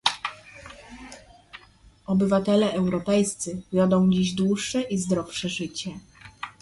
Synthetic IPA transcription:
ɔbɘvat̪ɛlɛʔɛwɾɔpɛjst̪sɘvʲjɔd̪ɔ̃w̃d͡ʑiʑd̪wuʂːɛʔizd̪ɾɔfʂɛʐɘt͡ɕɛ

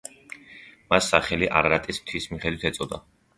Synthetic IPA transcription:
masːaχɛliʔa̰ɾɾat̪ʼismt̪ʰwismiχɛd̪wit̪ʰɛt̪sʼɔd̪a̰

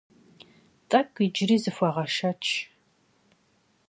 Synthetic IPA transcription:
t͡sʼɐkʷʼid͡ʒɪriːzɨfʷɐʁɐʃɐt͡ʃʰ

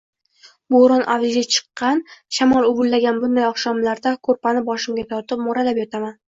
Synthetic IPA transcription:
boɾɒnʔa̰vɪzɡʲat͡ʃʰɨ̥qːɑnʃamɒlˠʊbʊlːaɡʲanbʊnd̪ajɒχʃɒmlaɾd̪akʰɵɾpanɪbɒʃɪmɡʲat̪ʰɒɾt̪ɪp̚mʊɾalapjɒt̪ʰaman

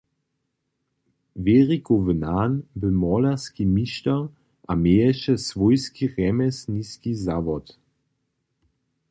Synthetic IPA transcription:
veʁikovənaːnbəmɔlaskimiʃt̪a | ʔamejɛʃɛsʋɔjskiʁɛmɛsniskizavɔt̪

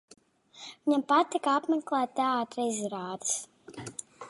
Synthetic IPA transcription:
viɲampat̪̚t̪ːikapmɛklˠæːt̪t̪ːɛaːt̪ɾɛziɾaːd̪ɨ̥s

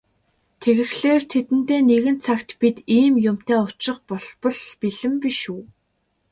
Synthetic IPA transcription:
t̪ʰeɣɘ̆xɮeːrt̪ʰet̪ɘ̆nt̪eːneɣɘ̆nt͡sʰakt̪pit̪iːmjʊm̥t̪eːʊt͡ɕrɪ̆qpɔɮpɞ̆ɮpiɮɘ̆mpiʃuː

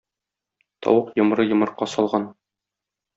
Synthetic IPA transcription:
t̪ɒ̰wɤqjɤ̆m̆ɾɤjɤ̆mɤ̆ɾqːɑsɒlˠʁɑn

